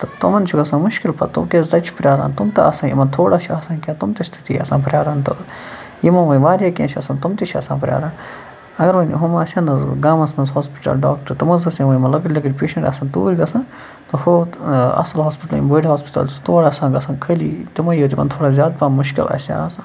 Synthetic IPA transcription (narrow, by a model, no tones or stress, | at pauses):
t̪ɐt̪ɐmɐnt͡ʃʰuɡɐsãːmʊʃkilpɐ̰t̪umkʲeːzt̪ɐt͡ʃʰu̥pɾjaːɾa̰ːnt̪umt̪ɐɐsãːjḭmɐnt̪ʰoːɽaːt͡ʃʰuɐːsãːkʲaːt̪umt̪ɐst̪ʰi̥t̪iɐ̰sãːpɾʲjaːɾaːnt̪o | jimɐnʋɐiʋaːɾʲjaːkʲẽnt͡ʃʰɐsãnt̪umt̪it͡ʃʰɐ̰sã̰ːpɐɾʲja̰ːɾaːn | ɐɡɐɾʋɐnɦumaːsʲaːnɐzɡaːmɐnsmɐnzɦoːspi̥ʈɐ̰lɖa̰ːk̚ʈɐɾt̪ɐmɐzɐsãʋɐjmɐlɐɡɐɽʲlɐɡəɽʲpʲeːʃɐɳʈɐ̰saːnt̪uːlʲɡ̪ɐsãː | t̪ɐhoːɐ̰sɐlɦoːspiʈɐlḭmbəɽiɦaːspi̥ʈɐ̰lst̪oːɽaːsãːɡɐsãːkʰəlḭt̪imɐjoːt̪ʲikɐ̰nt̪ʰoːɽaːzʲjaːd̪̚pamuʃkḭlɐ̰sʲa̰ɐsãː